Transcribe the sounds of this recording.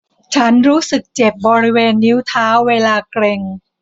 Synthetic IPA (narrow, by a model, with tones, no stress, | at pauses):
t͡ɕʰa˦˥nɾuː˦˥sɯ˨˩k̚t͡ɕe˨˩p̚bɔː˧ɾi˦˥weː˧nːi˦˥wt̪ʰaː˦˥wːeː˧laː˧kɾe˧ŋ